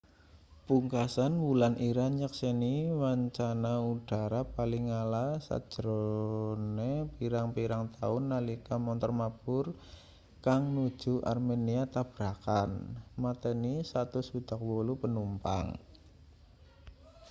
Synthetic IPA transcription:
puŋkasanwulanʔiɾanɲəkseniwaɲt͡ʃanaud̥a̤ɾapalɪŋalasa̰̥ʒ̥əɾonepiɾaŋpiɾaŋt̪aʊnːalikamɔnt̪ɔrmab̥ʊr | kaŋnu̥ʒ̥ṳʔa̰rmeniat̪ab̥ɾakanmart̪enisat̪usud̪̥a̤k̚wolupənumpa̰ŋ

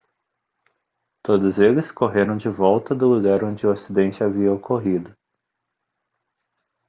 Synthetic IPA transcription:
t̪od̪ʊzelɪskoɦeɾɐ̃w̃d͡ʒɪvɔwt̪ɐd̪ʊluɡaɾõnd͡ʒɪʊasid̪ẽnt͡ʃɪaviɐokoɦid̪ʊ

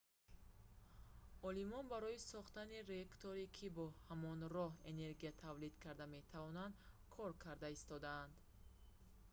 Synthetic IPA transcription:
ɔlimɔnbaɾɔisɔχt̪anirekt̪ʰoɾikʰibɔhamɔnrɔɦene̞ɾɡijat̪ʰavlid̪kʰaɾd̪ame̞t̪ʰavɔnand̪ | kʰɔɾkʰaɾd̪aist̪ɔd̪aːnd̪

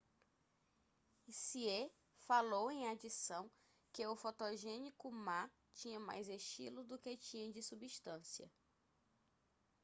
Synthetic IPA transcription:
isie | falowẽj̃ad͡ʒisɐ̃w̃ | kɪʊfot̪oʒẽnikʊma | t͡ʃĩɲɐma̰jzeʃt͡ʃḭlʊd̪ʊket͡ʃĩɲɐ̃d͡ʒɪsubiʃt̪ɐ̃siɐ̰

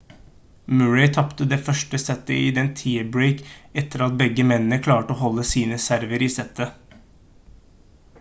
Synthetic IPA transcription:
mʉɹɛɪt̪ʰɑpt̪əd̪eːfœʂʈəsɛt̪ːəiːd̪ɛnt̪ʰiːəbɹeɪkɛt̪ːəɾɑt̪̚bɛɡːəmɛnnəkʰlɑːʈəoːhɔlːəsiːnəsæɾʋəɾiːsɛt̪ʰːə

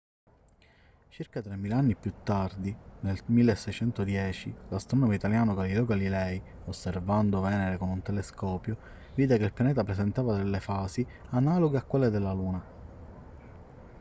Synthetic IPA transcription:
t͡ʃirkat̪ɾemːilaanːipjut̪ːard̪inelmilːesːɛjt͡ʃɛnt̪od̪jɛːt͡ʃilast̪ɾɔnomeit̪aljaːnoɡalilɛoɡalilɛj | osːervand̪ovɛːneɾekonunt̪eleskɔːpjo | viːd̪ekeilpjanɛːt̪apɾesent̪aːvad̪elːefaːsi | analoɡeakːwelːed̪elːaluːna

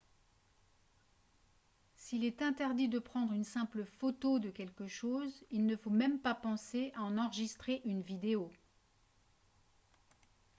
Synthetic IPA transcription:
silɛt̪ɛ̃t̪ɛʁd̪id̪əpχɑ̃d̪ʁynsɛ̃pləfot̪od̪əkʲɛlkəʃozilnəfomɛmpapɑ̃seaɑ̃nɑ̃ʁəʒist̪χeʔynvid̪eo

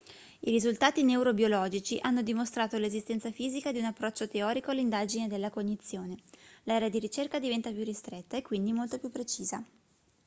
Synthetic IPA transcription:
iɾizult̪aːt̪ineuɾobjolɔːd͡ʒit͡ʃiʔanːod̪imost̪ɾaːt̪olezist̪ɛnt̪safiːzikad̪iunapːɾɔt͡ʃːot̪eɔːɾikoalːind̪aːd͡ʒined̪elːakoɲːit̪sːjoːnelɛɾead̪iɾit͡ʃerkad̪ivɛnt̪apjurːist̪ɾet̪ːaekːwind̪imolt̪opjupːɾet͡ʃiːza

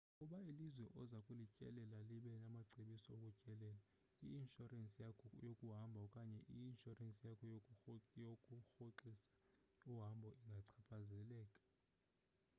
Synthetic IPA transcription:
kʼuɓailizwɛʔɔzakʼulicʼɛ̰lɛlaliɓɛnamaǀʱiɓisiokʼucʼɛlɛːla | ḭinʃʼuransʼiajokʼuɦambʱakʼaɲɛʔiːnʃɔransʼijakʰɔ | okʼuxoǁisḁ | uɦambʱɔʔiŋɡʱaǀʰapʰazɛlɛːkʼḁ

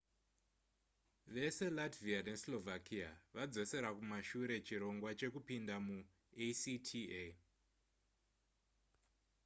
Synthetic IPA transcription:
ʋe̞se̞latviane̞slo̞vakiaʋad͡zo̞se̞ɾakumaʃuɾe̞t͡ʃiɾo̞ŋɡwat͡ʃe̞kupindamu | esitʰie

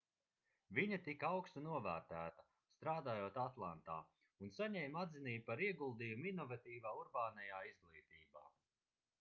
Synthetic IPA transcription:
viɲɐt̪ikawkst̪unuɔvæːɾt̪æːt̪ɐ̥ | st̪ɾaːd̪aːjoːt̪at̪lˠant̪a̰ː | unsaɲɛjmad̪ziniːbpaɾiɛɡulˠd̪ijuminɔvat̪iːvaːuɾbaːnajaːizɡlˠiːt̪iːba̰ː

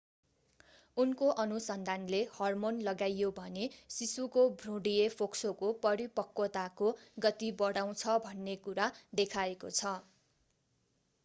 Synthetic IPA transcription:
unkoʔʌnusʌnd̪ʱanlehʌrmonlʌɡajːobʱʌnesisukobʱrũɽijepʰoksokopʌɾipʌkːot̪akoɡʌt̪ibʌɽaw̃t͡sʰʌbʱʌnːekuɾad̪ekʰaekot͡sʰʌ

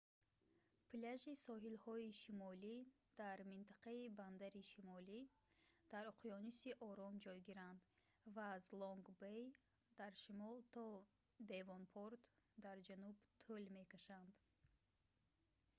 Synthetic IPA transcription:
pʰlaʒisɔɦilhɔiʃimɔli | d̪̥aɾmint̪ʰaqaiband̪aɾiʃimɔli | d̪̥aɾuqʰijɔnisiʔɔɾɔmd͡ʒɔjɡiɾand̪ | vaːzlɔŋɡbej | d̪̥aɾʃimɔlt̪ʰɔ | d̪e̞vɔnpʰɔɾt̪d̪aɾd͡ʒanubt̪ʰulme̞kaʃand̪

